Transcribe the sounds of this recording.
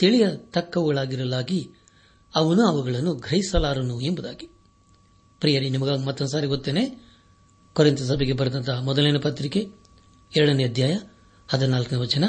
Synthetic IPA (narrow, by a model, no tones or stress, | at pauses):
t̪eɭijɐt̪ɐkːɐʋɐɡɐɭaːɡiɾɐlaːɡi | ɐʋɐnuɐʋuɡɐɭɐnːuɡɾɐjisɐlaːɾɐnuembud̪a̰ːɡi | pɾijɐɾinimɐɡaːɡimɐt̪ːɐnd̪s̬aːɾiɡot̪ːeːneː | koɾint̪ɐs̬ɐbʱeɡebɐɾɐd̪ɐnt̪ʰɐmɔd̪ɐlenɐpɐt̪ɾike | ɛɾɐɽɐneɐd̪ʱjaːjɐ | ɐd̪ɐnaːlkɐnɐʋɐt͡ʃɐnɐ